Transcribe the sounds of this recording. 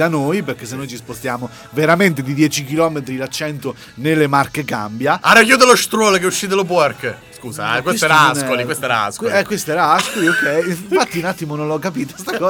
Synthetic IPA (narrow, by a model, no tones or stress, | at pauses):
anojperk̟esːenːojt͡ʃispost̪jaːmo | veɾament̪ed̪id̪jɛːt͡ʃik̟ilɔmet̪̬ɾilat͡ʃːɛnt̪o | nelːemarkeka̰mbjaaɾakjud̪eloʃt̪ɾɔlkeuʃːid̪elop̬wɔrkskuːsa̰kwestoɛɾaakolikwest̪ɛɾaa̰skɛkːwest̪oɛɾaaskoliokʰːɛjinɱfat̪ːiunat̪ːimononlɔkːapiːt̪o̥st̪akɔː